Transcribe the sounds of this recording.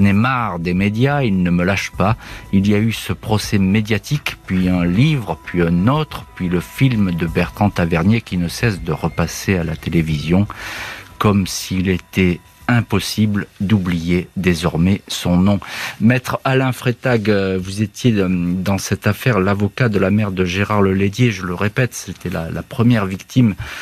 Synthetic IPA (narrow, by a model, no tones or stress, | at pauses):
nemaʁd̪emed̪jailnəməlaʃpailijaysəpχɔsɛmed̪jat̪ikpɥiɛ̃livʁpɥiɛ̃not̪χəpɥiləfilmd̪əbɛʁt̪χɑ̃t̪avɛʁnjekʲinəsɛsd̪əʁəpasealat̪elevizjɔ̃ | kɔmsilet̪ɛ | ɛ̃pɔsibld̪ublijed̪ezɔʁmɛsɔ̃nɔ̃mɛt̪χalɛ̃fχet̪aɡvuzet̪jed̪ɑ̃sɛt̪afɛʁlavɔkad̪əlamɛʁd̪əʒeʁaʁləled̪jeʒələʁepɛt̪set̪ɛla̰la̰pχəmjɛʁvikt̪im